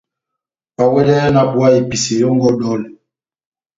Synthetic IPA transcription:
pa˨wɛ˦lɛ˦jna˦pu˨a˦i˨pi˨si˨jɔ˦ŋɡɔ˦dɔ˦˨l

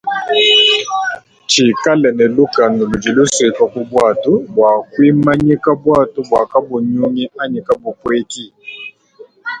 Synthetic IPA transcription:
t͡ʃi˨ka˦lɛ˨nɛ˨lu˦ka˨nu˨lu˨d͡ʒi˨lu˦si˨ka˨ku˦bwa˦˨tu˦bwa˨kwi˦ma˦ɲi˦ka˦bwa˦˨tu˦bwa˨ka˦bu˨ɲu˦ŋi˦a˦ɲi˨ka˦bu˨pwe˦ki˦

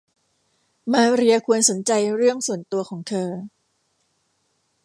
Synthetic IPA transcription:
maː˧ɾi˧ɐkʰu˧ənso˩˦nt͡ɕa˧jɾɯ˥˩əŋsu˨˩ənt̪u˧ɐkʰɔː˩˦ŋt̪ʰɤː˧

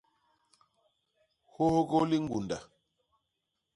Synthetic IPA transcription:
ho˦ho˦ɣo˦li˦ŋ̩˦ɡu˨nda˨

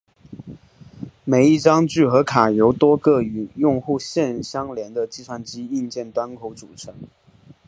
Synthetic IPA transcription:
me˨˩ɪi˥˩ʈ͡ʂɑ˥ŋt͡ɕy˥˩xɤ˧˥kʰa˨˩jo˧˥ʊt̪wɔ˥kɤ˥˩y˨˩˦jʊ˥˧ŋxu˥˧ɕjɛ˥˧nɕjɑ˥ŋljɛ˧˥nd̪ə˧t͡ɕi˥˧t͡sʰwa˥˩nt͡ɕi˥i˥˧nt͡ɕjɛ˥˩nt̪wa˥nkʰo˧˥ʊt͡su˨˩ʈ͡ʂʰɤ˧˥ŋ

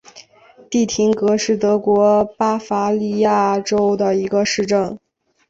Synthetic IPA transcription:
t̪i˥˩t̪ʰi˧˥ŋkɤ˧˥ʂɻ̩˥˩t̪ɤ˧˥kwɔ˧˥pa˥fa˧˥li˥˧ja˥˩ʈ͡ʂo˥ʊd̪ə˨i˧˥ɡə˧ʂɻ̩˥˧ʈ͡ʂɤ˥˩ŋ

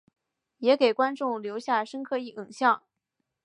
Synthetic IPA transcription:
jɛ˧˥ke˨˩ɪkwa˥nʈ͡ʂʊ˥˩ŋljo˧˥ʊɕja˥˩ʂə˥ŋkʰɤ˥˩i˥˩ʔi˨˩ŋɕjɑ˥˩ŋ

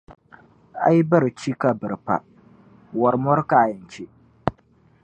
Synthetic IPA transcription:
a̰˦jbɐ˦ɾt͡ʃi˦ka˨bɨ˨ɾpa̰˨ | wɔ˨ɾmɔ˦ɾkaː˨jɪ˨nt͡ʃi˦

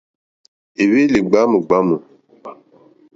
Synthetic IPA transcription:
e˨we˦le˨ɡ͡ba˨˦mə˨ɡ͡ba˦mə˨

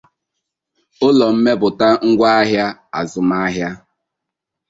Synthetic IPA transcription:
ʊ˦lɔ˨m̩˦me˦bʊ˨ta˦ŋ̩˦ɡʷa˦a˦ɦja˦a̰˨zʊ˨ma˦a˦ɦja˦

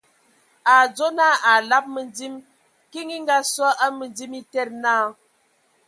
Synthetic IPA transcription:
a˨d͡zo˦naː˦˨a˨la˦p̚mə˨ndi˦m | ki˦ŋi˦ŋ˦ɡa˦swɔ˦ʔa˦mə˨nd͡zi˦mi˦tɛ˦˨t̚naː˦˨

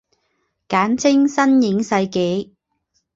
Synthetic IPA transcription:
kaː˨˥nt͡sʰɪ˥ŋsɐ˥njɪ˨˧˥ŋsɐ˧jke˨˥j

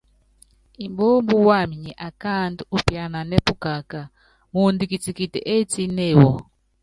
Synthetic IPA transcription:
i˨mbo˦mbu˦wa˦˨mi˨ɲɛ˨ʔa˨ka˦nduu˦pja˨na˨nɛ˦pu˦ka˨ka˨ | mu˨ndi˨ki˨t͡si˨ki˨tɛ̰˨ʔe˦t͡si˦nɛ˦˨wɔ˨

